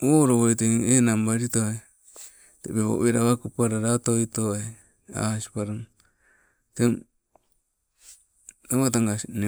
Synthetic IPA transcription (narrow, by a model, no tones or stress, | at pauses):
oɾoβoit̪eenambaɾit̪oa | t̪epeβo̰βeɾaβakupaɾaɾat̪oit̪oa | a̰si̥paɾa | t̪e | taat̪̬aŋɡane